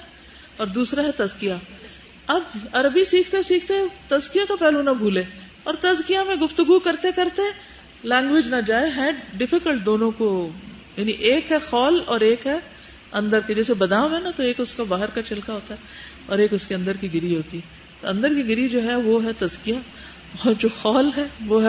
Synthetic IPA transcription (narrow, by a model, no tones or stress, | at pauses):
ɔːɾd̪uːsɾaɦɛt̪ɐzkija | ɐbɐɾəbisiːkʰt̪esiːkʰt̪et̪ɐzkijakapɛːlũnabʱuːleː | ɔːɾt̪ɐzkijamẽɡʊft̪ʊɡukɐɾt̪ekɐɾt̪e | lɛ̃ːŋɡʋɪd͡ʒnad͡ʒaːeɦɛ̃ɖɪfɪkəlʈ̚d̪oːnõko | jaːniʔeːkɦɛxɔːlɔːɾeːkɦɛ | ɐ̃nd̪əɾked͡ʒɛːsebɐd̪ãːmɦɛ̃nat̪oeːkʊskabaːɦəɾkat͡ʃɪlkaɦoːt̪aɦɛ | ɔ̰ːɾeːkʊskeɐ̃nd̪əɾkiɡɪɾiɦoːt̪iɦɛ | t̪oɐ̃nd̪əɾkiɡɪɾid͡ʒoːɦɛʋoɦɛt̪ɐzkija | ɔːɾd͡ʒoːxɔːlɦɛʋoɦɛ